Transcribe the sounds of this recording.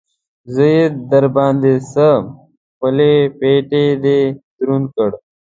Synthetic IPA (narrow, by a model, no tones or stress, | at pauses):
zəjetd̪ɐɾbɑːnd̪esə | pəlepeːʈed̪ed̪ɾunkəɽ